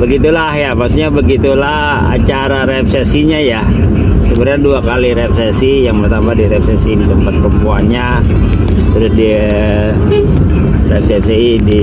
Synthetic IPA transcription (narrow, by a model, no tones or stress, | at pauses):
bəɡit̪ulahjapakst̪uɲabəɡit̪ulah | a̰t͡ʃaɾaɾɛp̚sesiɲaja | səbəɾɲanduakaliɾep̚sesijaŋbərt̪ambadiɾepsɛsidit̪əmpat̪̚pɾəmpuanɲa | t̪əɾʊsdi | rɛp̚sepseidi